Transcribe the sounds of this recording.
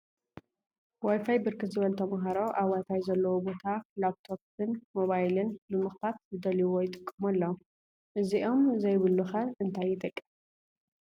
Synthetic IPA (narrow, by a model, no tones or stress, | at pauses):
wajfajbɨɾkʰɨt̪zɨβɐlt̪ʰɐmɐɦaɾo̞ʔaβwajfajzɐlːɐwobo̞t̪ʰalap̚t̪ʰoppɨnmo̞βajlɨnbɨmɨxfat̪̚zɨd̪ɐliwojɪt̪ʼɨkʼːɐmɐlːɐ | ʔɨziʔo̞mzɐjβɨlːuxɐʔɨnt̪ʰajːɪt̪ʼɐkʼːɨ̥m